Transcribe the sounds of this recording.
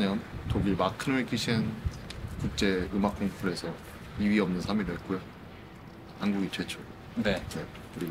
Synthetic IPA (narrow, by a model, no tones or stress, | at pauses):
ɲʌntoɡimakʰɯnwek͈ʰiɕʰiɯnkuk̚t͡ɕ͈e̞ɯmak͈ʰoŋpʰuɾe̞sʰʌ | iɥiʌmnɯnsʰamiɾɯɦet̚k͈ojo | hanɡuɡit͡ɕwe̞t͡ɕʰo | nene̞ | kuɾi